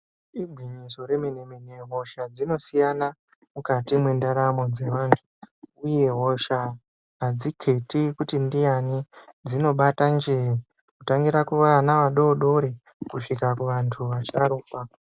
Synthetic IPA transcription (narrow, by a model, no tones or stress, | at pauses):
ibʱiɲiso̞ɾe̞menemeneɦo̞ʃad͡zino̞sijana | mukatimwe̞ndaɾamo̞d͡ze̞ʋaːntʰu̥uje̞ɦo̞ʃa | ɦad͡zikʰe̞tikutindijanid͡zino̞ɓatand͡ʒei | kutaŋɡiɾakuʋanaʋaɗo̞ɗo̞ɾe | kuʂikakuʋantʰuʋat͡ʃaɾuːpa